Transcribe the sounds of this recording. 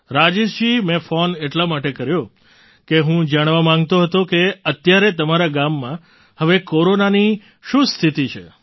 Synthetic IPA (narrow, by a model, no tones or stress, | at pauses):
ɾad͡ʒeʃd͡ʒimẽfoneʈlamaʈekəɾjo | keɦũd͡ʒaɽ̃ʋamãŋɡ̚t̪oɦət̪okeət̪jaɾet̪əmaɾaɡamːã | həʋekoɾonani | ʃũst̪ʰit̪it͡ʃʰḛ